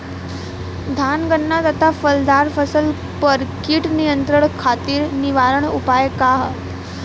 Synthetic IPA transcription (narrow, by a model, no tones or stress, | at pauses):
d̪ʱanɡənːat̪ət̪ʰafəld̪ʱaɾfəsəl | pəɾkiːʈnijənt̪ɾəɳkʰat̪iːɾniʋaɾəɳupajkaɦ